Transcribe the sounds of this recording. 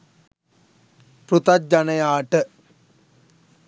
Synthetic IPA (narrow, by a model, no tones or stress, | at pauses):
pɾut̪ad͡ʒanɐjaːʈə